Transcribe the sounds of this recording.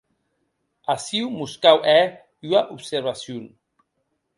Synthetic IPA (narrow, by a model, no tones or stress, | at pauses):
asiwmuskawʔɛ | yaʔupseɾβasjun